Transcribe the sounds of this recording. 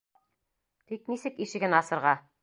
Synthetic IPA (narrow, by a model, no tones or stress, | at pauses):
t̪iknisɘkiʃɘ̆ɡɘnɑsɤ̆ɾʁɑ